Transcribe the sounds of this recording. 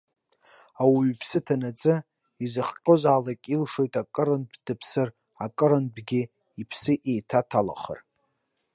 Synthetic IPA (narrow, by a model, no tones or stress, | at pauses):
awiɥpʰsɨtʰanat͡sʼɨ | izɨχqʲʷʼozaːlakʲʼilʂo̞jtʼakʼɨɾɨnbd̥ɨpʰsɨr | akʼɨɾɨnbɡʲɪ | ipʰsɨʔejtʰatʰala̰χə̰r